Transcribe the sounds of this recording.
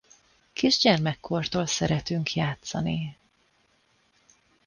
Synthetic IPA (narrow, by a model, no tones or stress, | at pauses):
kiʒɟɛrmɛkʰːo̞rt̪oːlsɛɾɛt̪yŋkjaːt̪sɒni